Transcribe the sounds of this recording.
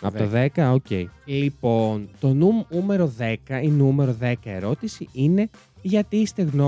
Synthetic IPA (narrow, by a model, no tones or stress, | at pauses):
ɐpot̪ɐðekɐoce̞̰ilipo̞nt̪o̞nuume̞ɾo̞ðe̞kɐinume̞ɾo̞ðe̞kɐe̞ɾo̞t̪isiine̞ | ʝɐt̪iist̪e̞ɣno